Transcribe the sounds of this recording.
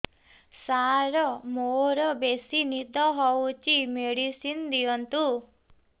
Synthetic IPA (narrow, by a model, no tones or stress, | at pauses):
saɾɔmoɾɔbesinid̪ɔɦɔwt͡ʃimeɽisind̪ijɔnt̪u